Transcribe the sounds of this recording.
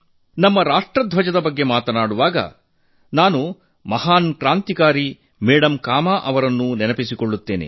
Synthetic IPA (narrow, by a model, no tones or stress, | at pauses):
nɐmːɐɾaːʂʈɾɐd̪ʱʋɐd͡ʒɐd̪ɐbɐɡːe̞maːt̪ɐnaːɽuʋaːɡɐ̰ | naːnu | mɐɦaːnkɾaːnt̪ikaːɾi | mɛːɽɐmkaːmaːʔɐʋɐɾɐnːunɛnɐpisikoɭːut̪ːe̞ːnḛ